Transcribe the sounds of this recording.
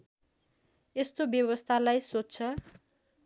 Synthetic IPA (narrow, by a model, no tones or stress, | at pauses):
est̪objʌβʌst̪ʰalajsotːt͡sʰʌ